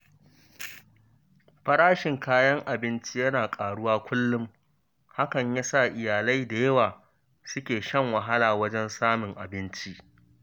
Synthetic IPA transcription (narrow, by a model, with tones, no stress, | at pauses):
ɸɐ˦ɽaː˦ʃɪ˨ŋkaː˦jɐ˦ŋʔa˨bɪ˦nt͡ʃi˦jɐ˦naː˨kʼaː˨ɽʊ˦waː˦kʷʊ˦lːʊ˦m | ha˦kɐ˨ɲjaː˦sa˦˨ʔɪ˨jaː˨la˦jda˨jɐ˦waː˨ | sʊ˦kʲeː˨ʃɐ˦ŋwɐ˨ɦa˦laː˨wɐ˦d͡ʒɛ˦nsaː˦mɪ˨ŋʔa˨bɪ˦nt͡ʃi˦ʔ